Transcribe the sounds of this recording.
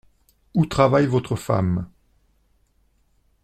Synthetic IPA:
ut̪χavajvot̪χəfa̰m

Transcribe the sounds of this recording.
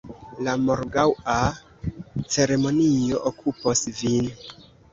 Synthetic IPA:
lamo̞ɾɡawa | t͡se̞ɾe̞mo̞nio̞ʔokʰuposvin

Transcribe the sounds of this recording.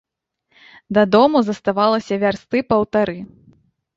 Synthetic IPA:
d̪ɐd̪ɔmuzɐst̪avalˠɐsʲɐvʲarst̪ɨpɐwt̪aɾɨ

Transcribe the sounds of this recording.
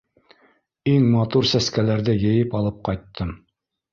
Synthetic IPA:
iŋmɑt̪uɾsæskælæɾðɘjɘ̆jɘpɑlˠɤp̚qɑjt̪ːɤm

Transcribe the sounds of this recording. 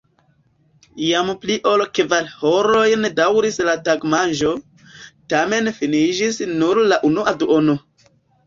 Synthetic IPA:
jampliʔolkevalhoɾo̞jndawɾislataɡmanʒo̞ | tame̞nfinid͡ʒisnuɾlaʔunuʔaduʔono

